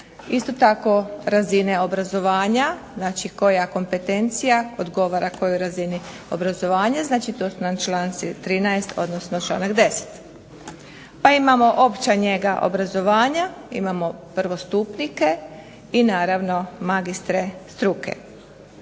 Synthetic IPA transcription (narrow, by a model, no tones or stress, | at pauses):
ist̪o̞t̪ako̞ɾazine̞o̞bɾazo̞ʋaːɲaznaːt͡ʃiko̞jako̞mpe̞t̪e̞nt̪sijaod̪ɡo̞ʋaɾako̞joɾazini | o̞̰bɾazo̞ʋaːɲaznaːt͡ʃit̪o̞ːsunant͡ʃlaːnt̪sit̪ɾiːnaest̪ʰo̞̰d̪nosnot͡ʃla̰ːnakd̪e̞se̥t̪ | paimamo̞ʔo̞pt͡ɕaɲe̞ɡaʔo̰bɾazo̞ʋaːɲaḭmamo̞pɾ̩ʋo̞st̪upnike̞ | inaːɾaʋno̞maɡist̪ɾe̞st̪ɾukʰe̞̰